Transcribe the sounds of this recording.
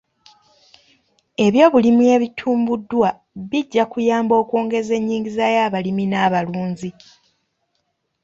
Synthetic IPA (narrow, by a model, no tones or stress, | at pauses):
e̞βjo̞ːβulimie̞βitʰuːmbudːwa | βiɟːakujaːmbo̞ːkoːŋɡe̞ze̞ɲːiːŋɡizajaːβaliminaβaluːɲzi